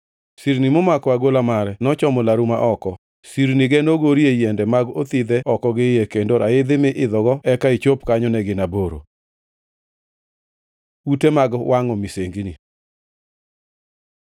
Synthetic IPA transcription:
siɾnimomakɔaɡolamaɾɛnɔt͡ʃɔmɔlaɾuma̰ʔɔkɔ | siɾniɡɛnoɡoɾjejɛndɛmaɡot̪ɪd̪ɛɔkɔɡɪjɛkendoɾaɪd̪ɪmɪʔɪd̪ɔɡɔɛkait͡ʃopkaɲɔnɛɡɪnaboɾo̰ | utemaɡwʔaŋɔmiseŋɡini

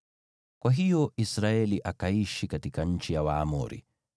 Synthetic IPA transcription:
kwʔaɦijɔisɾaɛliʔakaiʃikatikaɲ̩t͡ʃijawaːmɔ̰ɾḭ

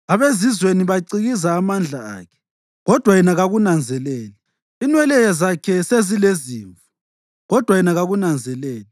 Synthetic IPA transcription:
aβezizweniβaǀiɣizaːmand͡ɮʱaa̰ːkʰɛ̥ | ɣɔd̥ʱwajɛnaɣaɣunand͡zʱɛlɛːla | inwɛlɛjazakʰɛsezileziːɱvu̥ | ɣɔd̥ʱwajɛnaɣaɣunand͡zʱɛlɛːla

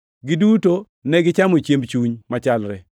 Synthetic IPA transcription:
ɡɪduto | nɛɡɪt͡ʃamot͡ʃjembt͡ʃuɲmat͡ʃalɾɛ

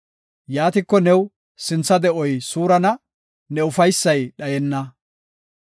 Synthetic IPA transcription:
jaːt̪ɪkːɔnɛw | sɪnt͡sːɐd̪ɛʔɔjsuːɾɐnɐ | nɛʊfɐjsːɐjɗɐjɛnːɐ

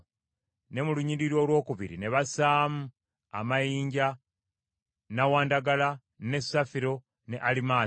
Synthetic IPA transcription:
ne̞muluɲiɾiɾo̞ːlwo̞ːkuβiɾḭne̞βasaːmu | a̰majiːɲɟa | nawaːndaɡala | ne̞safiɾo̞ | ne̞ʔalimaː

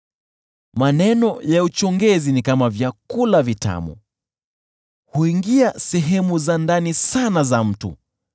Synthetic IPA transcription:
manɛnɔjaut͡ʃɔŋɡɛzinikamavjakulavita̰mṵ | huiŋɡiasɛɦɛmuzandanisanazam̩tṵ

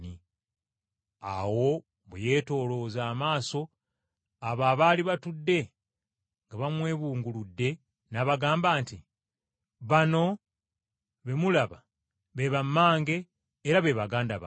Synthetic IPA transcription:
ni | a̰wo̞ | βeje̞ːto̞ːlo̞ːzaːmaːso̞ | aβaβaːliβatudːe̞ | ŋɡaβamwe̞ːβuːŋɡuludːe̞ | naβaɡaːmbaːnti | βano̞ | βe̞mulaβa | βe̞βamːaːŋɡe̞ː | ɾaβe̞βaɡaːndaβa

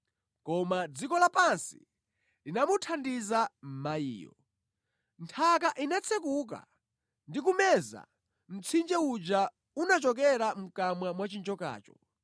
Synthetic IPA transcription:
kɔmad͡zikɔlapansḭ | linamutʰandizam̩maḭːjɔ̰ | ntʰakaʔinat͡sʰɛkuk̬a̰ | ndik̬umɛza̰ | m̩t͡sʰind͡ʒɛud͡ʒa | unat͡ʃɔk̬ɛɾam̩kamwamwat͡ʃind͡ʒɔka̰ːt͡ʃɔ

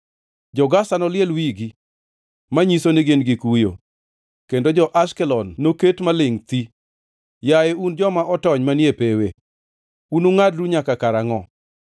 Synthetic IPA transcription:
d͡ʒɔɡasanɔlɪɛlwiɡi | maɲisoneɡenɡikujo̰ | kendod͡ʒɔʔaʃkɛlɔnːoketmalɪŋt̪i | jajeund͡ʒɔmaʔɔtɔɲmanjepewe | unuŋadɾuɲakakaɾaŋɔ

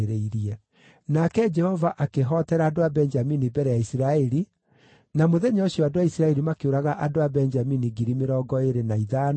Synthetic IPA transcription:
ɾeiɾiɛ | nakɛd͡ʒɛhɔvaʔakeɦɔtɛɾaːdoabɛɲd͡ʒaminibɛɾɛjaisiɾaɛɾi | namoðɛɲɔɕioadowaisiɾaɛɾimakeoɾaɣaʔadoabɛɲd͡ʒaminiɡiɾimeɾɔɡɔeɾenaiðan

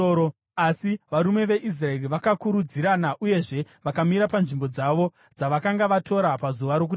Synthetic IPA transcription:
asiʋaɾume̞ʋe̞ʔis̬rae̞riʋakakuɾud͡ziɾanaʔuje̞ʐe̞ | ʋakamiɾapanʐimbo̞d͡zaʋo̞ | d͡zaʋakaŋɡaʋato̞ɾapazuʋaɾo̞k̬u

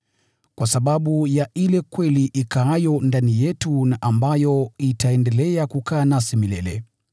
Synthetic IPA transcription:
kwasaɓaɓujaʔilɛkwɛliʔikajɔndanijɛtunaʔambajɔitaɛndɛlɛakukaːnasimilɛlɛ

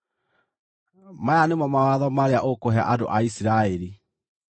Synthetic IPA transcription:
majanemɔmawaðɔmaɾeaʔokoɦɛa̰ʔado̰ʔaisiɾaeɾi

